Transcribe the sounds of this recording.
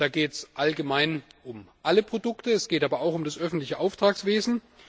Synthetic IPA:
d̥aːɡeːtsʔalɡəmaɪnʊmʔaləpʁ̥odʊktəɛsɡ̥eːtʔaːbɐaʊxʊmdasʔœfn̩tlɪçəʔaʊftʁ̥aːksv̥eːzn̩

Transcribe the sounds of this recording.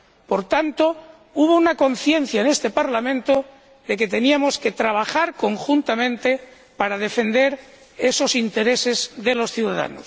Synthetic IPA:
po̞ɾt̪ant̪o̞ | uβ̞o̞unako̞n̟θje̞n̟θjaene̞st̪e̞paɾlamẽ̞nt̪o | ðe̞k̬e̞t̪e̞niamo̞ske̞t̪ɾaβaxaɾko̞ŋxunt̪amẽnt̪e̞ | paɾað̞e̞fe̞nd̪e̞ɾ | e̞so̞sint̪e̞ɾe̞se̞zðe̞lo̞sθjuwðaða̰no̰s

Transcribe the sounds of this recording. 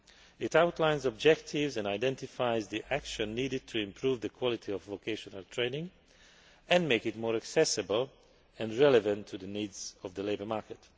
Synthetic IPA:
ɪtawtlãɪ̃nzɔb̚d͡ʒɛktʰɪvzɛ̃ndaɪdɛ̃ntɪfaɪzðiʔækʃə̃nːidɨd̚tʰuɪ̃mpʰɹuːvðəkʰwɔlɪtʰiɔvvokʰeʃɔnəltʰɹ̥ẽɪnɪ̃ŋ | ɛ̃nmeɪkɪtmoːɹæksɛsɨbəlˠ | ɛ̃ndɹɛlɛvə̃ntʰːudðəniːdz̥ɔvðəleɪbə˞maɹkɛt

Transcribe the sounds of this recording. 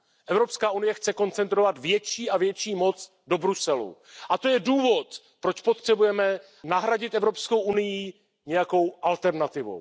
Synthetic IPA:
ʔɛvɾo̞pskaːʔunɪjɛxt͡sɛko̞nt͡sɛnt̪ɾo̞vat̪vjɛt͡ʃiːʔavjɛt͡ʃiːmo̞t͡s | do̞bɾusɛlṵʔat̪ojɛduːvo̞t̪ | pɾo̞t͡ʃpot̪r̝̥ɛbujɛmɛ | naɦɾaɟɪt̪ʔɛvɾo̞pskowʔunɪji | ɲɛjako̞wʔalt̪ɛɾnat̪ɪvo̰

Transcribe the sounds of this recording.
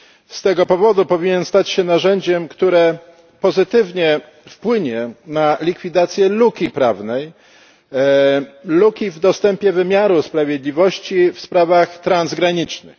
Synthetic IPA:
st̪ɛɡɔpɔvɔd̪upɔvʲiɲɛnst̪at͡ɕɕɛnaʐɛɲd͡ʑɛmkt̪uɾɛ | pɔzɘt̪ɘvɲɛ | fpwɘɲɛnalʲikfʲid̪at̪sʲjɛlukʲipɾavnɛj | lukʲivd̪ɔst̪ɛmpʲjɛvɘmʲjaɾuspɾavʲjed̪lʲivɔɕt͡ɕifspɾavaxt̪ɾanzɡɾaɲit͡ʂnɘ̰x

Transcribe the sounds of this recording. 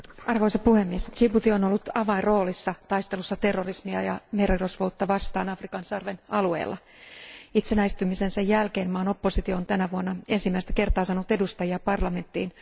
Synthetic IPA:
ɑrʋo̞isɑpuhemːiest͡ʃiput̪ionolːut̪ɑʋɑinro̞ːlisːɑt̪ɑist̪e̞lusːɑt̪e̞rːorismiɑjɑmeroirosʋowt̪ːɑʋɑst̪ɑːnɑfrikɑnsɑrʋenɑlue̞̰ːlːɑ̰ | it̪senæist̪ymisensæjːælkeːnmɑːno̞pːosit̪ioont̪ænæʋuonːɑe̞nsimːæist̪æ̥ke̞rt̪ɑːsɑnut̪e̞dust̪ɑjiɑpɑrlɑme̞nt̪ːiːn

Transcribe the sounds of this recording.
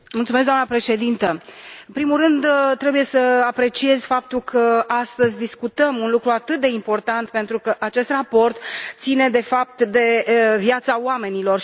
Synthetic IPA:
mult̪sumes̬kd̪oamnəpɾe̞ʃe̞d̪int̪əɨmpɾimulɾɨnd̪t̪ːɾe̞buje̞səapɾe̞t͡ʃie̞zʲfap̚t̪ulkʰəast̪əzʲd̪iskut̪əmunlukɾuat̪ɨt̪̚d̪e̞impo̞rt̪ant̪pe̞nt̪ɾukəʔat͡ʃe̞st̪rapo̞rt̪t̪sine̞d̪e̞fap̚t̪d̪e̞viat̪saoame̞nilo̞r

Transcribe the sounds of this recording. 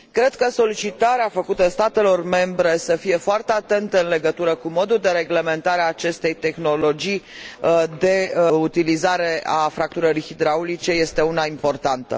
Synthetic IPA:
kɾe̞d̪̥kəso̞lit͡ʃit̪aɾeafəkut̪əst̪at̪e̞lo̞rme̞mbɾe̞səfije̞foart̪eat̪e̞nt̪əɨnle̞ɡət̪uɾəkumo̞d̪uld̪e̞ɾe̞ɡle̞me̞nt̪aɾeaːt͡ʃe̞st̪e̞jt̪e̞xno̞lo̞d͡ʒij | d̪e̞ut̪ilizaɾe̞afɾak̚t̪uɾəɾixid̪ɾaulit͡ʃe̞je̞st̪e̞unaimpo̞rt̪ant̪ə̰

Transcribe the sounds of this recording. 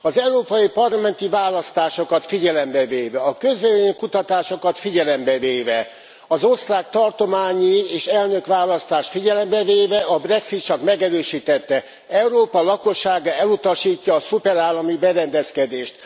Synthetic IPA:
ɒzɛuɾoːpɒjipɒrlɒmɛnt̪ivaːlɒst̪aːʃo̞kɒt̪fiɟɛlɛmbɛveːvɛɒkø̞zvɛveɲkut̪ɒt̪aːʃokɒt̪fiɟɛlɛmbɛveːvɛ | ɒzo̞st̪raːk̚t̪ɒrt̪o̞maːɲieːʃɛlnø̞kʋaːlɒst̪aːʃt̪fiɟɛlɛmbɛveːvɛɒbrɛksit̪t͡ʃɒkmɛɡɛɾøːʃiːt̪ɛt̪ːɛ | ɛuɾoːpɒlɒko̞ʃːaːɡaɛlut̪ɒʃiːcːɒːsupɛɾaːlːɒmibɛɾɛnd̪ɛskɛd̪eːʃt̪

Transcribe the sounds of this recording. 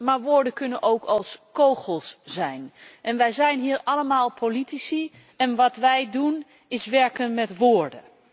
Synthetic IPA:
maːɹʋʊːɹdəkɵnənʔowkʰɑlˠskowχəlˠsz̥ɛjnʔɛnʋɛjzɛjnɦiːɹɑləmaːlˠpʰolitisi | ɛnʋɑtʋɛjdun | ɪsʋɛɹkənmɛtʋʊːɹdə̰

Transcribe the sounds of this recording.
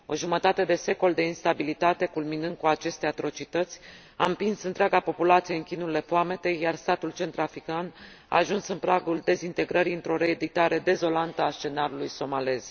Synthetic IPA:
o̞̰ʒumət̪at̪e̞d̪e̞se̞ko̞ld̪e̞inst̪abilit̪at̪e̞kulminɨnd̪̚kuat͡ʃe̞st̪e̞at̪ɾo̞t͡ʃit̪ət̪sʲ | a̰ɨmpinsɨnt̪ɾeaɡapo̞pulat̪sije̞ɨŋkʲinuile̞foame̞t̪e̞jːarst̪at̪ult͡ʃe̞nt̪ɾafɾikan | a̰ːʒunsɨnpɾaɡuld̪e̞zint̪e̞ɡɾəɾiɨnt̪ɾo̞ɾe̞ːd̪it̪aɾe̞d̪e̞zo̞lant̪əast͡ʃe̞naɾulujso̞male̞z̥

